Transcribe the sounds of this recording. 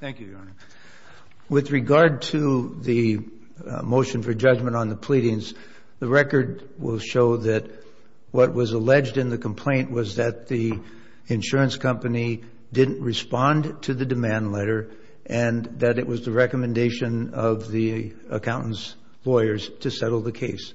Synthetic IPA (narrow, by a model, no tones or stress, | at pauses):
θæ̃ŋkjʉdɑnə | wɨðɹɨɡɑɹd̚tʰɨðɨ | moʊʃɨ̃nfə˞d͡ʒʌd͡ʒmɨ̃ɾ̃n̩ðəpʰl̥iɾɪ̃ŋz | ðɨɹɛkə˞d̚ | wɪ̰lˠʃoʊðɨt̚ | wʌt̚wʌzəlɛd͡ʒdɨ̃nðɨkʰm̩pʰl̥ẽɪ̃nʔwʌzðɨt̪̚ði | ɨ̃nʃʊɹɨ̃nskʰʌ̃mpɨni | dɪdⁿn̩ʔɹɨspɑ̃ntʰɨðɨdɨmæ̃ndˡlɛɾə˞ | ʔɨ̃nðɨɾɨʔwʌzðɨɹɛkəmɨ̃ndeɪʃɨ̃nʌvði | ə̰kʰãʊ̃nn̩s | lɔɪə˞z̥tʰɨsɛɾl̩ˠðɨkʰeɪs